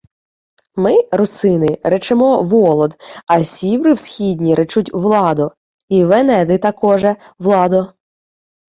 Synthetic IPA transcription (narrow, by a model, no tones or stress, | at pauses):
mɪɾʊsɪnɪɾɛt͡ʃɪmɔʋɔlˠɔd̪ɐsʲiwɾɪwsʲxʲidʲnʲiɾʔɪt͡ʃutʲʋlˠɑd̪ʊ | iʋenɛd̪ɪt̪ɐkɔʒɛ | ʋlˠɑd̪ʊ